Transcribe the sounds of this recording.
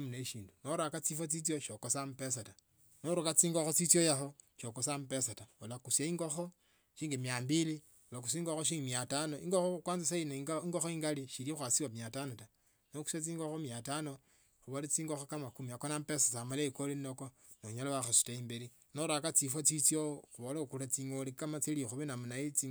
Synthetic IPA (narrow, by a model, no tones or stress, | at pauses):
muneʃiːndunoɾakat͡sifot͡sit͡sjoʃokosamupesata | noɾukat͡siːŋɡoxot͡sit͡sijojaxoʃokosampesataolakusjaiŋɡoxo | ʃiːŋɡemjambili | olakusiːŋɡoxoʃ̬iːŋɡemjatanoiŋɡoxoukwaːnzesainaiŋɡoxoiːŋɡaliʃiɾixwasiwamjatanota | noku̥sat͡siːŋɡoxomjatano | xuβolet͡siːŋɡoxokamakumiakonampesasamalekolinoko | nouɲalaβaxasu̥taiːmbeɾi | noɾakat͡sifwat͡sit͡sjoxuβolakulat͡siŋolikamat͡silixuβenamunait͡si